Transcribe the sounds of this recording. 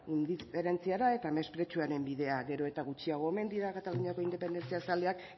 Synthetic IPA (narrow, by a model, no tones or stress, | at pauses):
und̪ispeɾe̞nt͡siaɾae̞t̪ame̞spɾe̞t͡ʃuaɾe̞mbiðe̞aɣe̞ɾo̞e̞t̪aɣ̞ut͡ʃiaɣ̞o̞eme̞nd̪iɾakat̪aluɲiako̞ind̪epe̞nd̪e̞nt͡siasald̪eak